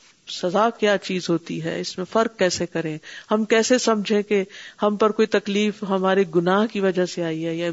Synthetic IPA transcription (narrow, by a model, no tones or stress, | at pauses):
sɐzaːkjaːt͡ʃiːzɦoːt̪iɦɛ̰ːɪsmẽfɐɾk̚ːɛːsekɐɾẽhɐmkɛːsesɐmd͡ʒʱẽkehɐmpɐɾkoːit̪ɐkliːfɦɐmaːɾeɡʊnaːɦkiʋɐd͡ʒaseaːiɦɛjɛ